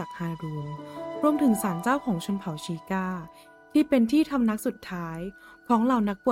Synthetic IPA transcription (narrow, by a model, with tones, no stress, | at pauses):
a˨˩k̚haː˧ɾuː˧ŋɾu˥˧əmt̪ʰɯ˨˩˦ŋsaː˩˦nt͡ɕaː˥˩wkʰɔː˩˦ŋt͡ɕʰo˧npʰa˨˩˦wt͡ɕʰiː˧kaː˥˩ | t̪ʰiː˥˩pe˧nt̪ʰiː˥˩t̪ʰa˧mna˦˥k̚su˨˩t̪ʰːaː˦˥j | kʰɔː˩˦ŋla˨˩wna˦˥k̚pu˨˩